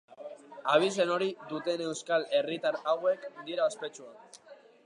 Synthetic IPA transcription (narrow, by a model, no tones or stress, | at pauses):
aβ̞ise̞no̞ɾid̪ut̪e̞ne̞wskale̞rit̪aɾawe̞kd̪iɾaospe̞t͡ʃua